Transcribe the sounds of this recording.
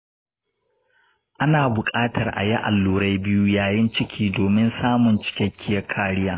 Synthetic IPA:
ʔa˦naː˨bʊ˨kʼaː˦tʰɐ˨rʔa̰˨ja˦ʔa̰˨lːuː˨ɾa˦jbɪ˦ju˦jaː˨jɪ˦nt͡ʃɪ˦kʲʰiː˦doː˨mɪ˦nsaː˦mʊ˨nt͡ʃɪ̥˦kʲɛ˦kʲʰːɪ˦jɐ˦kʰaː˦ɽɪ˦jaː˦

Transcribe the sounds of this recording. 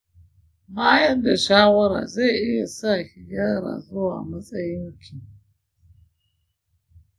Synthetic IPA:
maː˦jɐ˦nda˨ʃaː˦wɐ˦ɾa̰ː˨za˦˨jʔɪ˦ja˨sa˦˨hi˨ja˦ɾa̰ː˨zʊ˦wa̰ː˨mɐ˦sʼɐ˦jɪ˦ŋkʰʲi˨

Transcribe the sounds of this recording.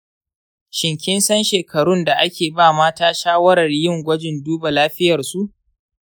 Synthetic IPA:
ʃɪ˨ŋkʲɪ˦nsɐ˦nʃeː˨kʰɐ˨ɽʊ˦nda˨ʔa˦kʲeː˨baː˦˨maː˦taː˦ʃaː˦wɐ˦ɾɐ˨rjɪ˦˨ŋɡʷɐ˦d͡ʒɪ˨nduː˦ba˨laː˦ɸɪ˦jɐ˨rsu˦ʔ

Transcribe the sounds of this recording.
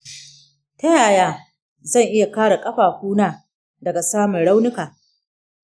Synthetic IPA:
ta˦jaː˨jaː˦ | zɐ˦˨ŋʔɪ˦ja˨kaː˦ɽa˨kʼɐ˦ɸaː˨hʷuː˦naː˦ | dɐ˨ɡa˨saː˦mʊ˨nɽa˦wnɪ˦kaː˨

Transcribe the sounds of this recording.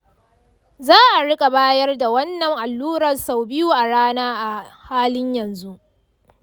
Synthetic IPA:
zaː˦ʔa˨ɽɪ˦kʼa˨baː˦jɐ˦rda˨wɐ˦nːɐ˨ŋʔa˨lːuː˦ɽɐ˨rsa˨wbɪ˦juː˦ʔa˨ɽaː˦naː˦ʔa˨haː˦lɪ˦ɲjɐ˨nzu˦ʔ

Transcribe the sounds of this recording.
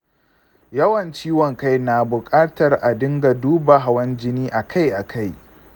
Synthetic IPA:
jɐ˦wɐ˨nt͡ʃiː˦wɔ˨ŋka˦jna˨bʊ˨kʼaː˦tɐ˨rʔa˨dɪ˦ŋɡa˨duː˦ba˨ɦa˨wɐ˦nd͡ʒɪ˦niː˦ʔa˨kʰa˦jʔa˨kʰa˦˨j

